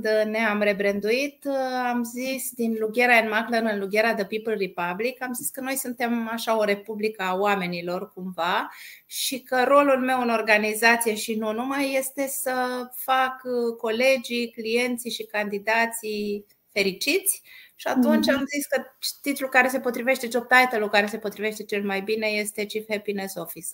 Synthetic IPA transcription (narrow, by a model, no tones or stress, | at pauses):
d̪ne̞amre̞bɾend̪uit̪amzisd̪inluɡʲe̞ɾaenmaklənɨnluɡʲe̞ɾad̪əpipəlripablikamziskəno̞jsunt̪e̞maʃaoɾe̞publikəawame̞nilo̞rkumvaʃikəɾo̞lulme̞wɨno̞rɡanizat̪sije̞ʃinunumajːe̞st̪e̞səfakko̞le̞d͡ʒiklije̞nt̪siʃikand̪id̪at̪si | fe̞ɾit͡ʃit̪sʲʃia̰t̪unt͡ʃamziskət͡ʃt̪it̪lulkaɾe̞se̞po̞t̪ɾive̞ʃt̪e̞d͡ʒob̚t̪ajt̪əlukaɾe̞se̞po̞t̪ɾive̞ʃt̪e̞t͡ʃelmajbine̞je̞st̪e̞t͡ʃifepinesofis